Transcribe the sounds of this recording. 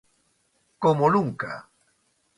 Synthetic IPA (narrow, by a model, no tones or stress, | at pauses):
komoluŋka̰